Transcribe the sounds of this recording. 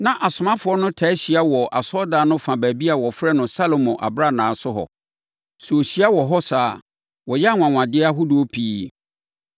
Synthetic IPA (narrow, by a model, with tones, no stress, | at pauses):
nã˨ʔa˨sʊ˨mã˦fʊ˨˦ɔ˦nʊ̃˦tʰa˨˦ɕi˨a˦wɔ˨ʔa˨sɔ˦da˨˦nʊ̃˦fã˨bæ˨bi˦a˨wɔ˨fɾɛ˦nʊ̃˨sa˦lo˨mɔ̃˨ʔa̰˨bɾa˦nãː˨sʊ˦ɦɔ̰˨ | su˨o˨ɕi˦a˦wɔ˨ɦɔ˦saː˨˦ | wɔ˨jɛ˦a˦˨ŋʷã˨ŋ˨ã˨dɪ˦a˦ɦʊ˦du˨o˦pʰiː˦